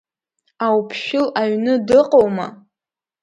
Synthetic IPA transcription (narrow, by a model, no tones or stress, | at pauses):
awpʰʃᶣʊlaɥnɨdɨqʼowma̰